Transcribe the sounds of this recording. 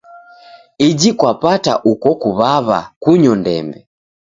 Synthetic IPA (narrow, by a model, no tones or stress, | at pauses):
id͡ʒikwapata̰ʔukɔkuβaβa̰kuɲɔndɛ̰mbɛ